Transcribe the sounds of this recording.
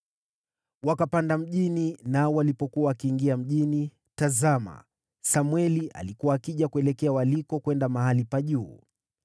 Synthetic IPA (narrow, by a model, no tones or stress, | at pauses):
wakapandam̩ʄininaɔwalipɔkuaakiːŋɡiam̩ʄini | tazama̰ | samwɛliʔa̰likuwaːkiʄakuɛlɛkɛawalikɔkwɛndamaɦalipaʄuː